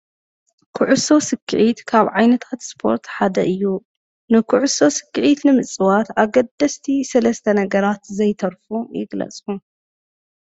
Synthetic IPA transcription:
kʰuʕuso̞sɨkʰːɨʕit̪kʰaβʕajnɐt̪ʰat̪spʰo̞̰ɾt̪ħad̪ɐ̰ʔɨjːu | nɨkʰuʕʊso̞sɨ̥kːɨʕit̪nɨmɨt͡sʼɨwat̪aɡɐd̪ːɐst̪ʰisɐlɐst̪ʰɐnɐɡɐɾat̪zɐjt̪ʰɐɾfujɪ̰ɡlɐ̰t͡sʼu

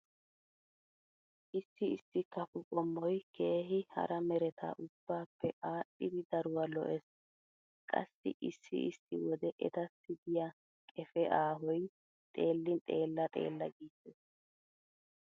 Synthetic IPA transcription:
ʔɪsːɪɪsːɪkɐfʊkʼɔmːɔjkʰe̞ːɦɪhɐ̰ɾɐmɛɾɛt̪ʰa̰ːʔʊb̥ːaːpːɛʔaːʔɪd̪ɪd̪ɐɾʊwɐlɔ̰ʔɛs | kʼɐ̰sːɪ̰ʔɪsːɪ̰ɪsːɪ̰wɔd̪ɛʔɛ̰t̪ɐsɪd̪ɪjɐ | kʼɛfɛʔaːɦɔj | t̪ʼe̞ːlːɪnt̪ʼe̞ːlːɐt̪ʼe̞̰ːlːɐɡiːsɛs

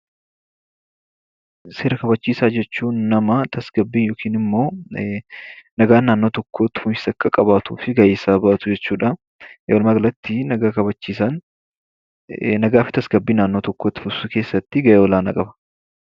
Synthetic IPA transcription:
se̞ːɾɐkɐbɐt͡ʃːiːsaːd͡ʒɛt͡ʃːuːnːɐmɐt̪ʰɐsɡ̥ɐbːiːnjoːkʰiːnɪmːo̞ː | nɐɡaːnːaːnːo̞ːt̪ɔkːo̞ːt̪ːɪ̥fʊmɪ̥sɐkːɐkʼɐbaːt̪ṵːfɪɡɐjeːsaːbɐʔɐt̪ʊd͡ʒɛt͡ʃːuːᶑɐ | jɔlmɐɡlɐt̪ːɪnɐɡaːkɐbɐt͡ʃːiːsan | nɐɡaːfɪt̪ɐsɡɐbːiːnaːnːo̞ːt̪ɔkːo̞ːt̪ːɪ̥fʊsʊke̞ːsːɐt̪ːɪɡɐjeːwɔlaːnɐ̰kʼɐbɐ̥

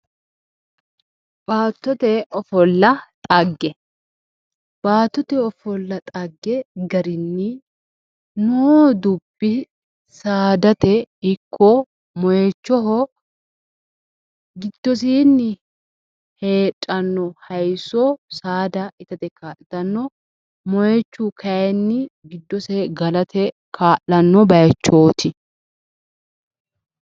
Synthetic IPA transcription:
b̥aːt̪ːɔt̪ɛɔfɔlːɐt̪ʼɐɡːɛ | b̥aːt̪ːɔt̪ɛɔfɔlːɐt̪ʼɐɡːɛɡɐɾɪnːɪ | nod̪ʊb̥ːɪ | saːd̪ɐt̪ɛɪkʰːɔ | mɔjɛt͡ʃːɔɦɔ | ɡɪd̪̥ːɔs̬iːnːɪ | he̞ːtʼːɐnːɔhɐjsɔsaːd̪ɐɪt̪ɐt̪ɛkaːʔɪt̪ɐnːɔ | mɔjɛt͡ʃːukʰɐjɛnːɪɡɪd̪ːɔsɛɡɐlɐt̪ʰɛ | kʰaːʔːɐnːɔbɐjɐt͡ʃːoːt̪ʰɪ

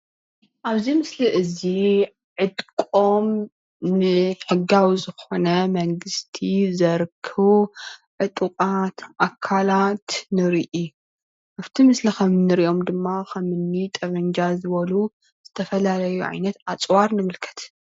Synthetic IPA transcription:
ʔaβzimɨsliʔɨzi | ʕɨd̪kʼom | nɨħɨɡawizɨxonɐmɐŋɡɨst̪ʰizɐɾkʰɨβʕɨt̪ʼɨkʼat̪ʔakʰːalat̪nɨɾiʔi | ʔaβt̪ʰimɨslixɐmɨnːɨɾiʔo̞md̪ɨmːakʰɐmɨnːit̪ʼɐβɐɲd͡ʒazɨβɐlu | z̥ɨt̪ʰɐfɐlalɐjuʕa̰jnɐt̪at͡sʼwaɾnɨmɨlkʰɐ̥t̪

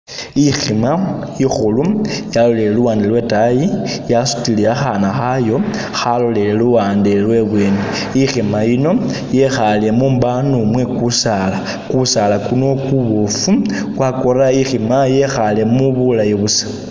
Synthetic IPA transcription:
iximaixulujalo̞le̞leluwaːndelwe̞tajijasu̥tiliaxanaxajo̞ | xalo̞leleluwaːndelwe̞βwe̞ːne | iximajino̞ | je̞xale̞mumbanumwe̞kusala | kusalakuno̞kuβofu | kwakoɾaiximaje̞xale̞muβulajeβusḁ

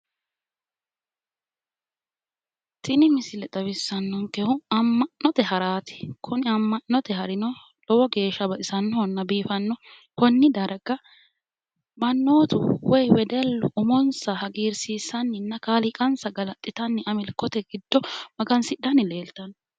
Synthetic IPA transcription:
t̪ɪnɪmɪsɪlɛt̪ʼɐβɪsːɐnːɔŋkɛhʊɐmːɐnːɔt̪ɛɦɐɾaːt̪ɪ̥kʰʊnɪɐmːɐnːɔt̪ɛɦɐɾɪnɔ | lɔwɔɡe̞ːʃːɐbɐʔɪsɐnːɔnːɐbiːfɐnːɔ | kɔnːɪd̪ɐɾɐɡɐ | mɐnːoːt̪ʊ̰wɔjwɛd̪ɛlːʊʔʊmɔnsɐhɐɡiːɾsiːsːɐnːɪnːɐkaːlɪkʼɐnsɐɡɐlɐt̪ʼːɪt̪ɐnːɪʔɐmɪlkːɔt̪ɛɡɪd̪̥ːɔmɐɡɐnsɪᶑɐnɪle̞ːlt̪ɐn

